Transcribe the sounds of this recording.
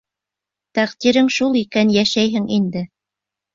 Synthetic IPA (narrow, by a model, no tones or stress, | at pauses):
t̪æqt̪iɾɘŋʃulˠikænjæʃæjɦɘŋind̪ɘ